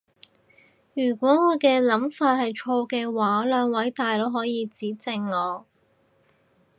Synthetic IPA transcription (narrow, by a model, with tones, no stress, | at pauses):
jyː˨˩kʷɔː˨˥ŋɔː˨˧kɛː˧lɐ˨˥mfaː˧t̚hɐ˨jt͡ʃʰoː˧kɛː˧waː˨˥lœː˨˧ŋwɐ˨˥jt̪aː˨jlo˨˥ɦɔː˨˥jiː˨˧t͡siː˨˥t͡sɪ˨˧ŋːɔː˨˧